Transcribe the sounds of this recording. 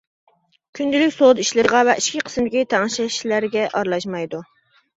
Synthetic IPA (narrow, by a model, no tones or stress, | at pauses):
kʲʰynd̪ɪlɪkʲsod̪iʃlɪɾəʁɑvɛʔiʃkʲʰiqʰə̥smɪd̪ɪkʲit̪ʰɑŋʃɛi̥ʃlæɾɡʲɛʔɑɾlˠɑʃmɑjd̪u